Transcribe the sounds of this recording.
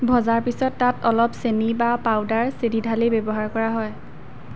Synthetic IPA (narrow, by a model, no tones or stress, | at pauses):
bʱɔzaɹpisɔtːatɔlɔpsenibapawdaɹsedidʱalebebɔɦaɹkɔɹaɦɔj